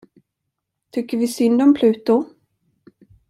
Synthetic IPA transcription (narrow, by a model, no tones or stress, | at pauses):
t̪ʰʏkːəɾvɪsʏnd̪ɔmpʰlʉ̟ːt̪ʊ